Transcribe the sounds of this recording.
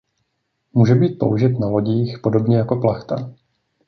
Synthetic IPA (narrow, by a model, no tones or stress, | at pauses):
muːʒɛbiːt̪̚po̰wʒɪt̪nalo̞ɟiːxpo̞do̞bɲɛjako̞plaxt̪a̰